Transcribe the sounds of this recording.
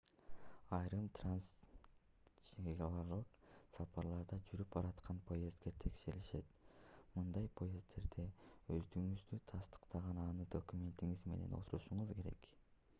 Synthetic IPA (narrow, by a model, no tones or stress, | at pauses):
ɑjɾɯmt̪ʰrans | t͡ʃeɡɑlˠɑɾlˠɯqsɑpɑɾlˠɑɾd̪ɑd͡ʒyɾyp̚bɑɾɑt̪qʰɑnpʰo̞je̞zd̪ɡet̪ʰe̞kʃe̞ɾliʃe̞t̪mɯnd̪ɑjpʰo̞je̞zd̪e̞ɾd̪eø̞zd̪yŋyzd̪yt̪ʰɑst̪ɯ̥qt̪ɑʁɑnɑnɯd̪o̞kumʲe̞nt̪iŋizme̞ne̞no̞̰t̪uɾuʃuɴuzke̞ɾe̞̰k